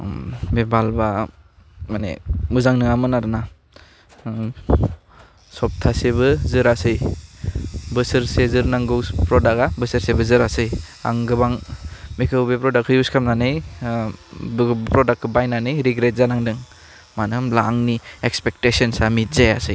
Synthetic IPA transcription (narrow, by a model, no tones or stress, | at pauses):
bebalba | manḛuzaŋnɯŋamɯnaɾɯna | sɔp̚tʰasebɯzɯɾasɯj | bɯsɯɾsezɯɾnaŋɡɯwspɾɔdakabɯsɯɾsebɯzɯɾasɯj | a̰ŋɡɯbaŋmikʰɯwbepɾɔdakʰɯjuskʰamnanɯj | bpɾɔdak̚bajnanɯjɾiɡɾet̚zanaŋdɯŋ | manɯmlaŋniekspek̚tesɔnsamitzajasɯj